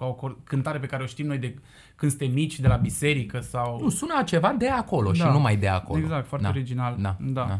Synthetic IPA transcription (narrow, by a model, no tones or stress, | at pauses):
kaokokɨnt̪aɾe̞p̬e̞kaɾeo̞ʃt̪imnojd̪e̞ | kɨnsɨnt̪emːit͡ʃʲd̪e̞labise̞ɾikəsawsunat͡ʃe̞vad̪e̞ako̞lo̞ʃiaanumajd̪ea̰koleɡozak̚t̪foaɾaeoɾid͡ʒinald̪ad̪aa